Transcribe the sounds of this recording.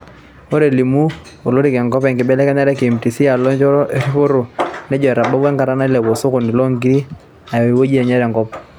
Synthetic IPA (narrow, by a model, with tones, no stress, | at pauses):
o˦ɾe˨li˨mu˦ | o˨lo˦ɾi˦˨kɛ˨ŋɡɔ˦pɛ˨ŋɡɪ˨bɛ˦lɛ˦kɛ˦ɲa˦ɾɛ˦ke˨m˨ti˨si˦a˨lɔ˦ɲt͡ʃɔ˦ɾɔ˦ʔe˦ɾi˦po˦ɾo˨nɛ˦d͡ʒɔ˨ɛ˨ɾa˨ba˦bwɛ˦ŋka˨ɾa˦na˦lɛ˨bɔ˨so˦ko˨ni˨lɔ˦ŋɡi˦ɾi˦ | a˨jɔ˨i˨wo˦d͡ʒi˦ɛ˨ɲɛ˦ɾɛ˨ŋɡɔ˦p̚